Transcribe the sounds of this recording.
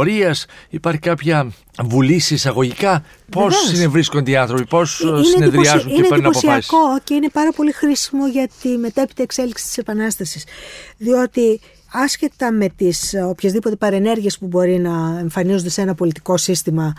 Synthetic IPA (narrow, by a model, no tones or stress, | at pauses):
ɾiɐsipɐɾçikɐpçɐ | vulisisɐɣo̞ʝikɐ | po̞seinevɾisko̞nd̪iɐnθɾo̞pipo̞sinieneðɾiɐzunieneeɾnɐoposiɐsko̞ce̞ine̞pɐɾɐpo̞lixɾisimo̞ʝɐt̪ime̞t̪e̞pit̪eːkse̞liksi̥t̪i̥se̞pɐnɐst̪ɐsisðio̞t̪i | ɐsçe̞t̪ɐme̞t̪iso̞pçezðipo̞t̪e̞pɐɾe̞ne̞ɾʝie̞spubo̞ɾinɐe̞ɱfɐnizund̪e̞se̞nɐpo̞lit̪iko̞sist̪imɐ